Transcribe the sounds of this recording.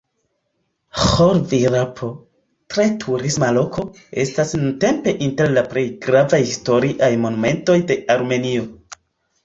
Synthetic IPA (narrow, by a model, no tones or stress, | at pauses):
xoɾviɾapʰo | tɾe̞tʰuɾismalo̞kʰo̞ | e̞̰stasnunte̞mpe̞ʔinte̞ɾlaple̞jɡɾavajhisto̞ɾiʔajmo̞nume̞nto̞jde̞aɾme̞nio̞